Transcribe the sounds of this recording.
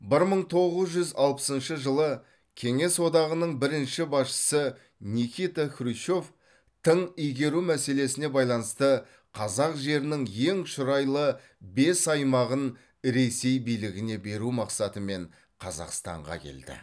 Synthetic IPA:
bɪɾməɴt̪ʰo̞ʁəzʒʏzɑlˠpə̥sənʃəʒəlˠə | kʲʰe̞ŋe̞swo̞d̪ɑʁənəɴbɪɾɪnʃɪbɑsʃə̥sə | nikʲijt̪akʲɾuʃo̞f | t̪ʰəɴijɡʲe̞ɾumæse̞le̞sɪne̞bɑjlˠɑnəst̪ə | qʰɑzɑqʒe̞ɾɪnɪŋje̞ŋʃʊɾɑjlˠə | be̞sɑjmɑʁən | ɾe̞se̞jbijlɪɡʲɪne̞be̞ɾumɑqsɑt̪əme̞ɴ | qʰɑzɑ̰qst̪ɑ̰ɴʁɑ̰kʲʰḛld̪ɪ̰

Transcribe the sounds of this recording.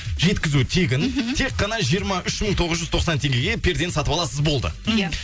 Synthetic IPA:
ʒe̞t̪kʲɪzut̪ʰeɡʲɪnt̪ʰe̞qːɑnɑʒiəɾmɑʔʏʃməɴt̪ʰo̞ʁəzʒʏzt̪ʰo̞qsɑnt̪ʰe̞ŋɡʲe̞ɡʲe̞pʲʰe̞ɾd̪e̞nsɑt̪əpɑlˠɑsəzbo̞lˠd̪ə̰j

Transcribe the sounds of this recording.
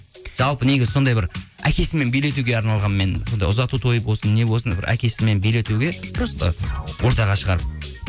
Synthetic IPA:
ʒ̥ɑlˠpəne̞ɡʲɪzɪso̞nd̪ɑjbɪɾ | æ̰kʲe̞sɪme̞nbelet̪̬uɡʲe̞ɑɾnɑlˠʁɑnme̞nso̞nd̪ɑjʊzɑt̪ut̪ʰo̞jəpwosənːe̞wosənbɪ̰ɾʔæ̰kʲe̞sɪme̞nbejle̞t̪uɡʲe̞d̪ɪɾost̪ə̰wʔo̞ɾt̪ɑʁɑʃəʁɑɾəp̚

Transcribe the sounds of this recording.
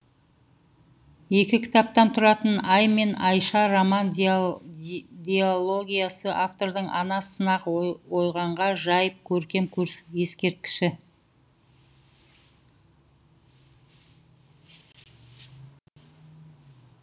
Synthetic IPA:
je̞kʲɪkʲʰɪ̥t̪ɑp̚t̪ɑnt̪ʰʊɾɑt̪ənɑjme̞nɑjʃɑɾomɑnd | d̪ʲeolˠo̞ɡʲijasəʔaft̪o̞ɾd̪əɴʔɑnɑsənɑqwo̞jʁɑɴʁɑʒɑjəp̚kʲʰɵɾkʲe̞mkʲʰɵɾje̞skʲe̞ɾt̪̚kʲɪ̥ʃɪ

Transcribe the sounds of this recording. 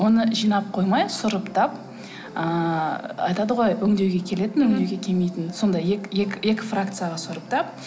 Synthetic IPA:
wo̞nəʒijnɑp̚qʰo̞jmɑjsʊɾəpt̪ʰɑp | ə | ɑ̰jt̪ɑd̪əʁo̞jɵŋd̪e̞wɡʲe̞kʲʰe̞le̞t̪ɪnɵŋd̪e̞wɡʲe̞kʲʰe̞lme̞jt̪ɪnso̞nd̪ɑjekʲje̞kʲje̞kʲɪ̥frakt̪sɨjaʁɑsʊɾəp̚t̪ʰɑp̚

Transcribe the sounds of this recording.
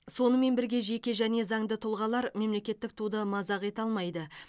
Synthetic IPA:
so̞nəme̞nbɪɾɡʲe̞ʒe̞kʲe̞ʒæne̞zɑŋd̪ət̪ʰʊlˠʁɑlˠɑɾme̞mle̞kʲe̞t̪ːɪk̚t̪ʰud̪əmɑzɑqe̞t̪ɑlˠmɑjd̪ə

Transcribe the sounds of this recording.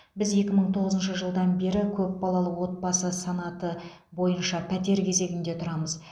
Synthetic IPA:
bɪzje̞kʲɪməɴt̪ʰo̞ʁəzənʃəʒəlˠd̪ɑnbe̞ɾɪkʲʰɵp̚bɑlˠɑlˠəqwo̞t̪̚bɑsəsɑnɑt̪ə | bo̞jənʃɑpʰæt̪e̞ɾkʲʰe̞ze̞ɡʲɪnd̪e̞t̪ʰʊɾɑməz

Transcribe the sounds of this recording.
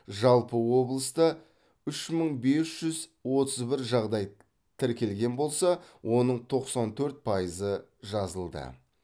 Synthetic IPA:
ʒɑlˠpəwo̞blˠəst̪ə | ʏʃməɴbe̞sʒ̥ʏzwo̞t̪əzbɪɾʒɑʁd̪ɑj | t̪ʰɪɾkʲe̞lɡʲe̞nbo̞lˠsɑwʔo̞nəɴt̪ʰo̞qsɑnt̪ʰɵɾt̪̚pʰɑjəzəʒɑzəlˠd̪ə̰

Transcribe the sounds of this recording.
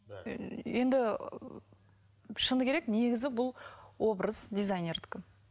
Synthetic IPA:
je̞nd̪ɪ | ʃənəkʲʰeekne̞ɡʲɪzɪbʊlˠwo̞bɾəzd̪ʲijzajne̞rd̪kʲɪ

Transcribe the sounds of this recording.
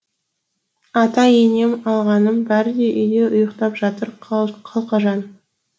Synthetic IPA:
ɑt̪ɑjene̞mɑlˠʁɑnənbæɾɪd̪e̞ʔʏjd̪e̞ʊjəqt̪ɑpʒɑt̪əɾʰqʰɑlˠqɑʒɑn

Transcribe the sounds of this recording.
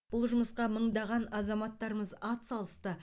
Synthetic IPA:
b̥ʊlˠʒʊməsqɑməɴd̪ɑʁɑnɑzɑmɑt̪ːɑɾəməzɑt̪sɑlˠəst̪ə

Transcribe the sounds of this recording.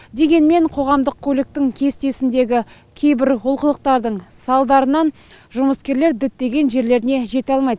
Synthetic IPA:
d̪e̞ɡʲe̞nme̞ɴqʰo̞ʁɑmd̪əq̚kʲʰɵlɪk̚t̪ɪŋkʲʰe̞st̪e̞sɪnd̪e̞ɡʲɪ | kʲʰe̞jbɪɾwʊlˠqəlˠəq̚t̪ɑɾd̪əɴsɑlˠd̪ɑɾənɑn | ʒʊməskʲe̞ɾleɾd̪ɪt̪̚d̪e̞ɡʲe̞nʒe̞ɾle̞ɾɪne̞ʒe̞t̪eɑlˠmɑjd̪ə

